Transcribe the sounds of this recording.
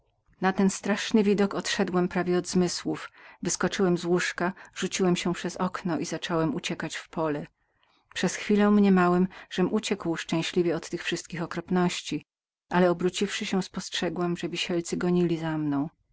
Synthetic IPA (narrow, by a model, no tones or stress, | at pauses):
nat̪ɛnst̪ɾaʂnɘvʲid̪ɔkɔt̪ʂɛd̪wɛmpɾavʲjɛɔd̪zmɘswufvɘskɔt͡ʂɘwɛmzwuʂkaʐ̥ut͡ɕiwɛmɕɛpʂɛzɔknɔʔizat͡ʂɔwɛmut͡ɕɛkat͡ɕfpɔlɛ | pʂɛsxfʲilɛ̃mɲɛmawɛmʐ̥ɛmʔut͡ɕɛkwʂt͡ʂɛ̃w̃ɕlʲivʲjɛɔt̪ːɘxfʂɘst̪̚kʲixɔkɾɔpnɔɕt͡ɕi | ʔalɛɔbɾut͡ɕifʂɘɕɛ̃spɔstʂɛɡwɛmʐɛvʲiɕɛlt̪sɘɡɔɲilʲizamnɔ̃w̃